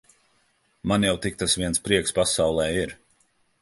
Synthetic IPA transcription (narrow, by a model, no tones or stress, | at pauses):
manjawt̪ik̚t̪asviɛnspɾiɛkspasawlˠɛːiɾ